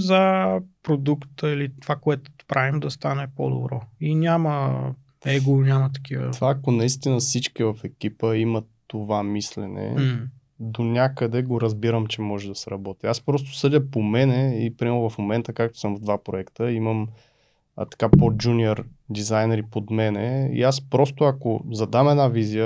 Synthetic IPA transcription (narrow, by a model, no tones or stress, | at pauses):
zəpɾod̪ukt̪əilit̪ovakoɛt̪ʊ̥t̪pɾavimd̪ɐst̪anɛpo̰d̪o̰bɾɔinʲamə | ɛɡoʊnʲamət̪ɐ̥k̟ivə̰t̪vaːkonɐist̪inəsit͡ʃkivɐfɛkʲipəimət̪ːovamislɛnɛ̰ | d̪onʲakəd̪ɛɡoɾəzbiɾəmt͡ʃɛmɔʒɛd̪ɐsɛɾɐbɔt̪iaspɾɔst̪o̥sɤd̪ʲəpomɛnɛipɾimɛɾnʊvɐfmomɛnt̪əkak̚t̪o̥səmvd̪vapɾoɛkt̪əiməm̰ | t̪ɐ̥kapod͡ʒuniɛɾd̪izajnɛɾipod̪mɛnɛḭaspɾɔst̪ʊɐko̰zɐd̪amɛd̪naviziə